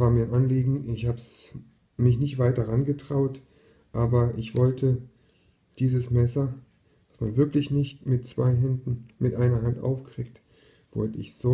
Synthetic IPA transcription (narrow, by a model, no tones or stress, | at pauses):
vaːɐmiːnʔanliːɡŋ̩ʔɪçhaːbs | mɪçnɪçtv̥aɪt̚d̥aʁanɡətʁ̥aʊt | ʔaːbɐʔɪçv̥ɔltʰə | d̥iːzəsmɛsɐ | d̥asmanvɪɐklɪçnɪçtmɪtt͡sv̥a̰ɪɦɛndn̩mɪtʔaɪnɐɦantʔa̰ʊfkʁ̥iːk̚t | v̥ɔ̰ltəɪ̰çsz̥oː